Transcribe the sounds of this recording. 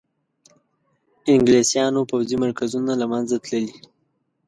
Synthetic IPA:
ɪŋɡlesjɑnopawzimaɾkazunalamanzat̪ləli

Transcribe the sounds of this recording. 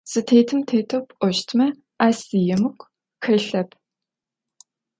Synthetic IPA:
sɨtʰeːtʰɨmtʰeːtʰopʷʼɔʃtʰmɐ | aːsijɛmɨkʷ | xɐɬɐp̚ʰ

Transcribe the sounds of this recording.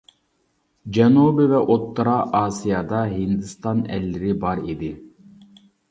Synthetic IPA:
d͡ʒɛnubivɛʔot̪ːɨɾɑʔaːsijɑd̪ɑɦind̪ist̪ɑnɛ̰lːiɾibɑɾed̪i

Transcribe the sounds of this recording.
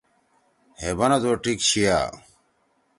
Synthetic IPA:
hebɐnɐd̪oːʈikɕija̰ː

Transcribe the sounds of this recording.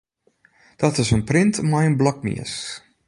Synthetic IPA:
d̥ɔtɪsənprɪntʰmajənblɔk̚mḭəs

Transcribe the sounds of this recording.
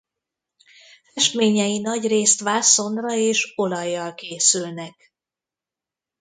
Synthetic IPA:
fɛʃt̪meːɲɛjinɒɟreːst̪ʋaːso̞nd̪rɒeːʃo̞lɒjːɒlkeːsylnɛk

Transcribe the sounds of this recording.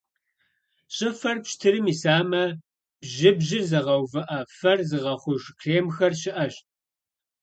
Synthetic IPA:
ɕʼɪfɐrpʃtʰɨɾɨmisaːmɐ | b̥ʑɪbʑɪrzɐʁɐwvɐʔɐfɐrzɨʁɐχʷʊʒkʰreːmxɐrɕɪʔɐɕ

